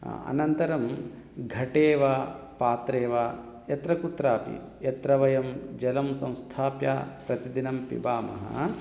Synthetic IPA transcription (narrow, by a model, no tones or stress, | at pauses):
ɐ̰nɐnt̪ɐɾɐm | ɡʱɐʈeːʋaːpaːt̪ɾeːʋaː | jɐt̪ɾɐkut̪ɾaːpḭ | jɐt̪ɾɐʋɐjɐmd͡ʒɐlɐmsɐ̃w̃st̪ʰaːpja̰ːpɾɐt̪id̪inɐmpḭbaːmɐ̰ɦɐ̰